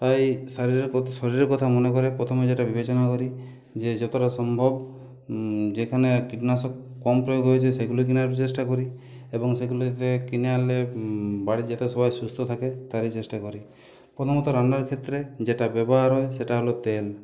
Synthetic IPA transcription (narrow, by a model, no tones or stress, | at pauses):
t̪ajsaɾiɾsɔɾiɾɔɾkɔt̪ʰamɔnekɔɾepɾɔt̪ʰɔmed͡ʒeʈabibet͡ʃɔnakɔɾi | d͡ʒed͡ʒɔt̪ɔɾasɔmbʱɔb | d͡ʒekʰanekiʈnasɔkːɔmpɾɔjoɡʱɦɔjt͡ʃʰeseɡuluk̬injaɾt͡ʃesʈakɔɾi | ebɔŋseɡulut̪ekinalebaɽid͡ʒat̪esɔbajsust̪ʰɔt̪ʰaket̪aɾit͡ʃesʈakɔɾi | pɾɔt̪ʰɔmɔt̪ɔɾanɖaɾkʰet̪ɾed͡ʒeʈabebɔɦaɾɦɔjseʈaɦolot̪el